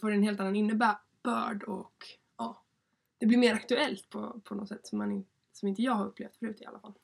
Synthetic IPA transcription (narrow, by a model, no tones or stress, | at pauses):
foɖɛnɦeːlt̪anːanɪnːəbæː | b̥œ̰ːɖɔk | ɑː | d̪̥ɛblɪɾmeːɾakt̪ɵɛlt̪pʰɔ̰pʰɔnɔt̪sɛ̰t̪ːsɔmːanɪ | sɔmɪnt̪əjɑːɡhaɾɵpːleːft̪fœɾʉ̟t̪ɔɪa̰lʔafalː